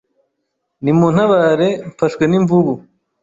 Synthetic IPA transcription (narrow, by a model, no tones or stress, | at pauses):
nimun̥haβaːɾe̞mfaʃweniɱvuβu